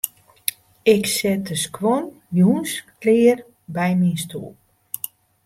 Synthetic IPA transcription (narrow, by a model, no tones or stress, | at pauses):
ɪksɪt̚əskwɔn | jjuːnsklɪːər | bɛjminstṵːl